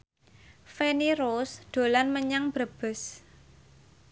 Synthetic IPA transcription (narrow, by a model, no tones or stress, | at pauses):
feniɾosd̪̥o̤lanməɲaŋb̥ɾəb̥ə̤s